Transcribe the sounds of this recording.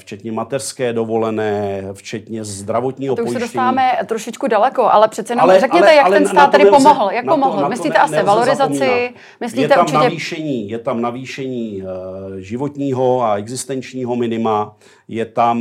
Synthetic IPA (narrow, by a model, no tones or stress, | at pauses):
ft͡ʃɛt̪ɲɛmat̪ɛr̥skɛːdovo̞lɛnɛːft͡ʃɛt̪ɲɛzzd̪ɾavot̪ɲiːɦot̪ouoʃjsɛdosaːvaːmɛt̪ɾoʃɪt͡ʃkudalɛko̞ʔa̰lɛpr̝̥ɛt̪t͡sɛjɛnolɛɾɛkɲɛɛjak̪̚ɛnst̪aːt̪t̪ːɛɾɪpomoɦl̩jakpomoɦl̩mɪsliːɛʔast̪ɛvalo̞ɾɪzat͡sɪ | mɪsliɛt̪ɛuɾmt͡ʃɪnɛviːʃɛɲiːjɛt̪amnaviːʃɛɲiː | ʒɪvot̪ɲiːɦo̞aɛɡzɪst̪ɛnt͡ʃɲiːɦo̞mɪnɪma | jɛt̪am